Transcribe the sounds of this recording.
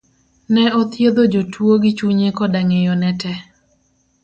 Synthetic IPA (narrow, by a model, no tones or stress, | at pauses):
nɛɔt̪jed̪od͡ʒotʰwoɡɪt͡ʃuɲekɔdaŋejɔnɛtɛ